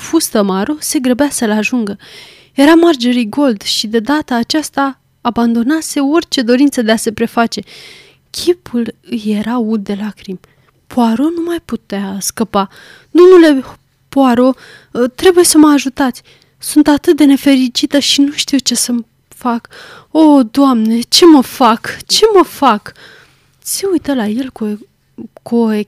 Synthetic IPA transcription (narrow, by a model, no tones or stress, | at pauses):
fust̪əmaɾo̞se̞ɡɾəbasəlaʒuŋɡə | je̞ɾamard͡ʒe̞ɾiɡo̞ld̪ʃid̪e̞d̪at̪əːt͡ʃast̪aː | band̪o̞nase̞o̞rʲt͡ʃe̞d̪o̞ɾint̪səd̪ease̞pɾe̞fat͡ʃe̞ | kʲʰipulɨje̞ɾaut̪̚d̪e̞lakɾim | pʰoaɾo̞numajput̪easkəpa | d̪o̞mnule̞ | poaɾo̞ | t̪ɾe̞buje̞səməaʒut̪at̪sʲ | sunt̪at̪ɨt̪̚d̪e̞ne̞fe̞ɾit͡ʃit̪əʃinuʃt̪iwt͡ʃe̞səm | fak | o̞d̪oamne̞t͡ʃe̞məfakt͡ʃe̞məfak̪ | seujt̪əlaje̞lko | koe